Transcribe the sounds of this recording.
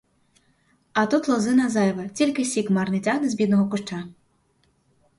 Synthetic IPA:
ɐt̪ut̪lˠɔzɪnɐzɛjʋɐt͡sʲilʲkɪsʲikmɐrnɪtʲanezbʲid̪nɔɦɔkʊʃt͡ʃa

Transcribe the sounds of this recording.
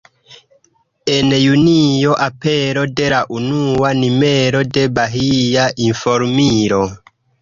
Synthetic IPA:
enjunijo̞ʔapeɾo̞de̞laʔunuanimeɾode̞baɦijaʔinfoɾmiɾo

